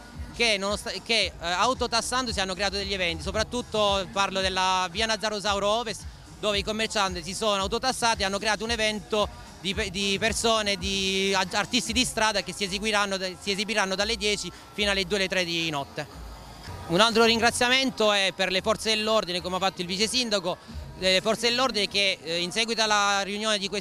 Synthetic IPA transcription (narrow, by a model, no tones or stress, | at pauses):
kenonost̪akeawt̪ot̪asːand̪osianːokɾeaːt̪od̪eʎːievɛnt̪isopɾat̪ːut̪ːoparlod̪elːaviːanad̪zːaɾozawɾɔːvest̪ | d̪oːveikomːert͡ʃant̪is̬isonoawt̪ot̪asːaːt̪ianːokɾeaːt̪ounevɛnt̪o | d̪ipd̪ipersoːned̪iart̪ist̪id̪ist̪ɾaːd̪akesːiezeɡwiɾanːosiezibiɾanːod̪alːed̪jɛːt͡ʃi | fiːnoalːed̪uːelet̪ːɾɛd̪inɔt̪ːe | unalt̪ɾoɾiŋɡɾat̪sjament̪oɛpːerlefɔrt̪sed̪elːord̪inekomeafːat̪ːoilvit͡ʃesind̪akolefɔrt̪sed̪elːord̪inekeinsɛːɡwit̪alariunjoːned̪ikwe